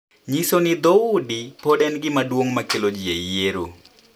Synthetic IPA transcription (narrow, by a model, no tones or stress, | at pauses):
ɲisonɪd̪oʊdipodɛnɡɪmadwoŋmakelod͡ʒiejeɾo